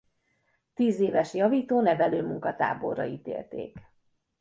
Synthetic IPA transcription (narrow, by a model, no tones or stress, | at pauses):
t̪iːzeːvɛʃjɒviːt̪oːnɛvɛløːmuŋkɒt̪a̰ːbo̞̰rːɒiːt̪ḛːlt̪ḛːk